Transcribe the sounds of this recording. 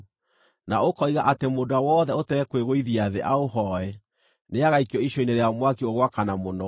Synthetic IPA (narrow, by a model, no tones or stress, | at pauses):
naokɔiɣaʔatemodawɔðɛotɛɾɛkweɣoiðiaðeʔaoɦɔɛ | neaɣaikiɔiʃoineɾeaɔmwakioɣwakanamonɔ